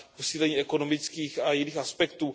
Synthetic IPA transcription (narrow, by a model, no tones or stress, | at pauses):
posiːlɛɲiːɛko̞no̞mɪt͡skiːxajɪniːxaspɛkt̪uː